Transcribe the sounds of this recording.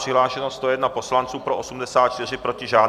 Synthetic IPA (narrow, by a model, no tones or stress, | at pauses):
r̥ɪɦlaːʃɛnost̪ojɛdnapo̞slant͡suːpɾoʔosumdɛsaːt̪̚t͡ʃt̪ɪrɪpɾo̞cɪʒaː